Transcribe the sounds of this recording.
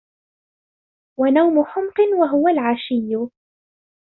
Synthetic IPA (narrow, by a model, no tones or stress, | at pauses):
wanawmʊħʊmqɨnwaɦʊwalʕaʃɪjːʊ